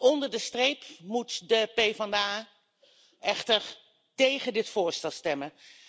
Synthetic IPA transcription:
ɔndəɹdəstrejpmutdəpejvɑndaː | ʔɛχtəɹ | tejχəndɪtfʊːɹstɛlˠstɛmə

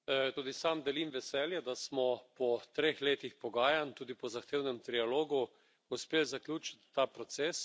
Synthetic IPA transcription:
t̪uːd̪isamd̪ɛlimʋɛsɛːljɛd̪asmɔpɔt̪ɾeːxleːt̪ixpɔɡaːjant̪uːd̪ipɔzaxt̪eːwnɛmt̪ɾialoːɡu | ʊspeːlzaklʲjuːt͡ʃi̥t̪ːaːpɾɔt̪sɛs

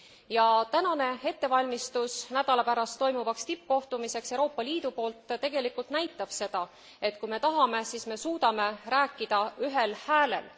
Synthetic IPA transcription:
jɑt̪ænɑne̞e̞t̪ːe̞vɑlʲmist̪usnæd̪̥ɑlɑpæɾɑst̪ːo̞jmuvɑkst̪ip̚ːko̞ht̪umise̞ksewɾo̞ːpːˑɑliːd̪̥upo̞ːlt̪t̪e̞ɡ̥e̞likult̪næjt̪ːˑɑb̥se̞d̪̥ɑ | e̞t̪̚ˑkujme̞t̪ɑɦɑme̞siːsme̞suːd̪̥ɑme̞ɾæːkːid̪̥ɑyɦe̞lhæːle̞̰l

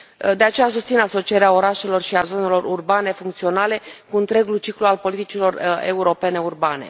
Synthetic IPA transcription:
d̪e̞at͡ʃe̞jasust̪sinaso̞t͡ʃijeɾeao̞ɾaʃe̞lo̞rʃiazo̞ne̞lo̞rurbane̞fuŋk̚t̪sio̞nale̞kuɨnt̪ɾe̞ɡult͡ʃiklualpo̞lit̪it͡ʃilo̞re̞̰uɾo̞pe̞ne̞urbane̞̰

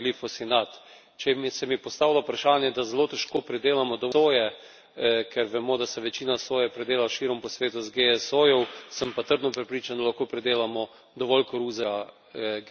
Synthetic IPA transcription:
lifɔsinat̪ | t͡ʃɛmsɛmipɔst̪aːwlaupɾaʃaːnjɛd̪azɛloːt̪ɛʃkoːpɾɛd̪eːlamɔd̪ɔʋoːjɛ | kʰɛɾʋɛmod̪asɛʋɛt͡ʃiːnasoːjɛpɾɛd̪eːlaʃiːɾɔmpɔsʋeːt̪uzɡeɛsojɔwsəmpat̪əɾd̪nɔpɾɛpɾiːt͡ʃand̪alaxkoːpɾɛd̪eːlamɔ | d̪ɔʋɔlkoɾuːzɛ | ɡ

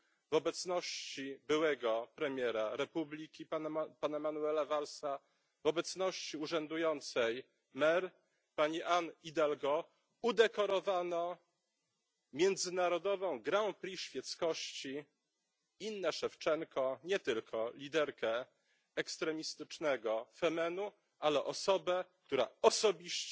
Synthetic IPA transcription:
vɔbɛt̪snɔɕt͡ɕibɘwɛɡɔpɾɛmʲjɛɾaɾɛpublʲikʲipapanamanuɛlavalsa | vɔbɛt̪snɔɕt͡ɕiuʐɛnd̪ujɔnt̪sɛj | mɛɾ | paɲiʔanid̪ɛlɡɔ | ud̪ɛkɔɾɔvanɔ | mʲjɛnd̪zɘnaɾɔd̪ɔvɔ̃w̃ɡɾɛw̃pɾʲiɕfʲjɛt̪skɔɕt͡ɕi | inːɛʂɛft͡ʂɛŋkʰɔɲɛt̪ɘlkʰɔlʲid̪ɛɾkɛ | ɛkst̪ɾɛmʲist̪ɘt͡ʂnɛɡɔfɛmɛnu | ʔalɛʔɔsɔbɛk̚t̪uɾa̰ɔsɔbʲiɕt͡ɕ

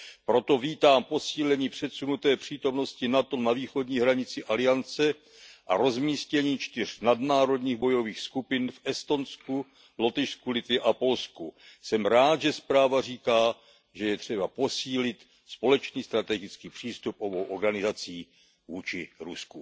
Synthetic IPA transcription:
pɾo̞t̪o̞viːt̪aːmpo̞siːlɛɲiːpr̝̥ɛt̪sunut̪ɛːpr̝̥iːt̪o̞mno̞scɪnat̪o̞naviːxo̞dɲiːɦɾaɲɪt͡sɪʔalɪjant͡sɛ | ʔa̰ɾo̞zmiːscɛɲiːt͡ʃt̪ɪr̝nadnaːɾo̞dɲiːɣbo̞jo̞viːxskupɪnfʔɛst̪o̞nsku | lo̞t̪ɪʃskulɪt̪vɪʔapo̞lskusɛmɾaːt̪ʒɛspɾaːvar̝iːkaː | ʒɛjɛt̪r̝̥ɛbapo̞siːlɪt̪ | spo̞lɛt͡ʃniːst̪ɾat̪ɛɡɪt͡skiːpr̝̥iːst̪upʔo̞bo̞wʔoɾɡanɪzat͡siː | vuːt͡ʃɪɾusku

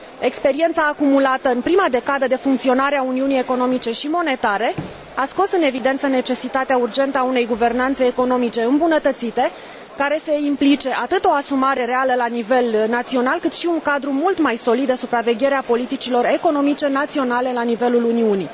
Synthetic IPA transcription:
e̞kspe̞ɾie̞nt̪saːkumulat̪əɨnpɾimad̪e̞kad̪əd̪e̞fuŋkt̪sio̞naɾeauniunije̞ko̞no̞mit͡ʃe̞ʃimo̞ne̞t̪aɾe̞ | asko̞sɨne̞vid̪e̞nt̪səne̞t͡ʃe̞sit̪at̪eaurd͡ʒe̞nt̪əaune̞jɡuve̞rnant̪seːko̞no̞mit͡ʃe̞ɨmbunət̪ət̪sit̪e | kaɾe̞se̞implit͡ʃe̞ʔat̪ɨt̪o̞asumaɾe̞ɾe̞aləlanive̞lnat̪sio̞nalkɨt̪ʃiuŋkad̪ɾumult̪majso̞lid̪esupɾave̞ɡʲe̞ɾeapo̞lit̪it͡ʃilo̞re̞ko̞no̞mit͡ʃe̞nat̪sio̞nale̞lanive̞luluniuni

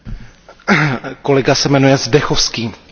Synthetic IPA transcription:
ko̞lɛɡasɛmɛnujɛzdɛxofskiːm

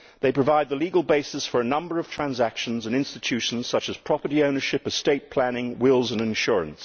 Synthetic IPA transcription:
ðeɪpɹ̥əvaɪd̪̚ðəliɡəlˠbeɪsɨsfə˞ɨnʌ̃mbə˞ʌv̥tʰɹ̥æ̃nzækʃə̃n̩zə̃nɪ̃nstɨtʰʉʃn̩z̥sʌt͡ʃəz̥pʰɹ̥ɑpə˞ɾiõʊ̃nə˞ʃɪpəsteɪt̚pʰl̥ænɪ̃ŋwɪlˠzə̃nɪ̃nʃʊɹə̰̃ns

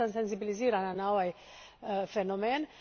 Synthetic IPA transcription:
ansens̬ibiliziɾananawaj | fenomɛn

